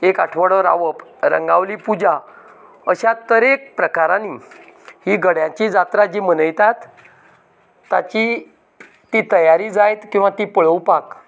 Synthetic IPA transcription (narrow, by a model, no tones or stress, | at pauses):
ekaʈʰʋəɽɔɾa̰ʋəpɾə̰ŋɡaʋliːpud͡ʑa | əɕat̪əɾek̚pɾəkaɾãnihiɡəɽjãt͡ɕiːd͡zat̪ɾad͡ʑimənəjt̪at̪ | a̰t͡ɕi | t̪it̪əjaɾiːd͡zajt̪kĩw̃ʋat̪iːpəɭəwpak